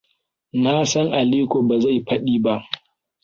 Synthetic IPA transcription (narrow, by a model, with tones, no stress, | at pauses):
naː˦sɐ˦ŋʔa˨liː˦kʷoː˨ba˨za˦˨jɸɐ˦ɗiː˦ba˦ʔ